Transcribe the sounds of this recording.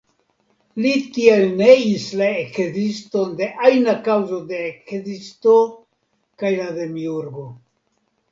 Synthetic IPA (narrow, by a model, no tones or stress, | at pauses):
litie̞lne̞islaekzisto̞nde̞ʔajnakawzo̞de̞ːkzisto̞ | kajlade̞miuɾɡo̞